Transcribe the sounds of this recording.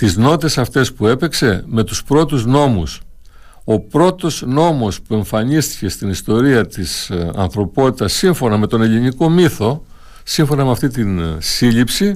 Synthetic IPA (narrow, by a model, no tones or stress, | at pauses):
t̪izno̞t̪e̞sɐft̪e̞spue̞pe̞kse̞me̞t̪uspɾo̞t̪uzno̞mus | o̞pɾo̞t̪o̞zno̞mo̞spue̞ɱfɐɲist̪i̥ce̞st̪inist̪o̞ɾiɐt̪isɐ̰nθɾo̞po̞t̪it̪ɐsːiɱfo̞nɐme̞t̪o̞ne̞liniko̞miθo̞ | siɱfo̞nɐmeɐft̪it̪insiʎipsi